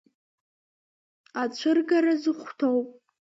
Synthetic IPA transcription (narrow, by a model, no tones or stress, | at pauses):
at͡ʃʷʰɨrɡaɾazɨχʷtʰowpʼ